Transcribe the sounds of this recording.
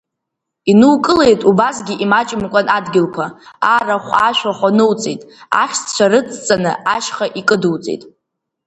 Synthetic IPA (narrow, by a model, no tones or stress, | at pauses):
inɨwkʼɨle̞jtʼubasɡʲiʔimat͡ʃʼɪmkʷʼanadɡʲɪlkʷʰaaraχʷaʃᶣʷaχʷanɨwt͡sʼejtʼa̰χʲt͡st͡ʃʷʰarɨt͡sʰʼt͡sʼanɨaʃχaʔikʼɨdɨwt͡sʼḛtʼ